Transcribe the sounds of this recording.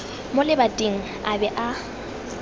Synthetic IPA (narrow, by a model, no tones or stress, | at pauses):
mʊlɪbatʼiŋ̩ | abɛʔa